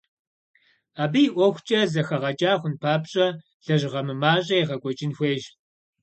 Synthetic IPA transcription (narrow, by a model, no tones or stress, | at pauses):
aːbijːʔʷɔxʷt͡ʃʼɐzɐxɐʁɐt͡ʃʼaːxʷʊnpʰaːpɕʼɐ | ɬɐʒʁɐmɨmaːɕʼɐeʁɐɡʷʼɔt͡ʃʼɪnxʷeːʒ